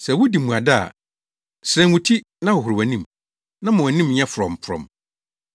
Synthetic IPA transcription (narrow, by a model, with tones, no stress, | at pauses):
sɛ˨wʊ˦di˨mũ˨a˨da˦a̰˨ | sɾɛ̃˨˦ʊ̃˨tʰi˦ | nã˦wʊ˨ɦʊ˨ɾɪ˨wæ˨nĩ˦m | nã˦mã˨wa˨nĩ˦mɲɛ̃˦fʊ˨ɾɔ̰̃˨m˨pʰʊ˨ɾɔ̰̃˨m